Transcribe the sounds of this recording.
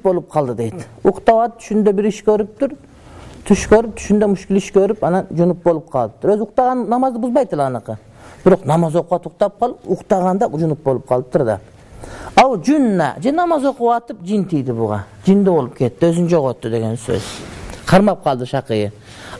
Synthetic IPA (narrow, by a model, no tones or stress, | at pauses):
pbolˠəp̚qʰɑlˠd̪əd̪ejd̪ɪoqt̪ɑwɑt̪əp̚t̪ʰʏ̥ʃɪnd̪ebɪɾɪʃkʲʰɵɾɪp̚t̪ʊɾ | t̪ʰʏʃkʰʲɵɾɪp̚t̪ʰʏ̥ʃɪnd̪emʊʃkʲɪlɪʃkʲʰɵɾɪpɑnɑnʒʊnəp̚bo̞lˠəp̚qʰɑlˠəp̚t̪ʰʊɾɵzʊqt̪ɑʁɑnːnɑmɑzd̪əbʊzbɑjt̪ːəlɑnəqə | b̥ɪɾo̞qnɑmɑzwoquʁɑt̪ʰuq̚t̪ɑp̚qʰɑlˠpʊqt̪ɑʁɑnd̪ɑʊʒʊnəp̚bo̞lˠəp̚qʰɑlˠəp̚t̪ʰʊɾd̪ɑ̰ | ɑwd͡ʒʏnːɑ̰ʒenɑmɑzoquwɑt̪əp̚d͡ʒ̪int̪ʰijd̪ɪbʊʁɑ̰d͡ʒijnd̪ɪbo̞lˠəp̚kʲʰe̞t̪ːɪwɵzɪnd͡ʒoʁwot̪ːəd̪e̞ɡʲensø̰z̥qʰɑɾmɑp̚qʰɑlˠd̪əʃɑqəjə